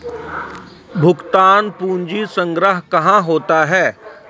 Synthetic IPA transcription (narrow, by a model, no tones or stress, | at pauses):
bʱʊɡt̪aːnpuːnd͡ʒisə̃ŋɡɾəɦkɐɦãɦoːt̪aɦɛː